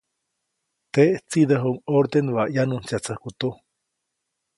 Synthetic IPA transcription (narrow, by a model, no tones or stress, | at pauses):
t̪eʔt͡sid̪əɦuŋoɾd̪enβaʔjanunt͡siat͡sahkut̪u